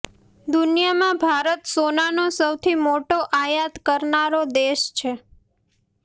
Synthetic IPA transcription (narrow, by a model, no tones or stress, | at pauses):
d̪unijamãbʱaɾət̪sonanosəwt̪ʰimoʈoʔajat̪kəɾnaɾod̪eʃt͡ʃʰe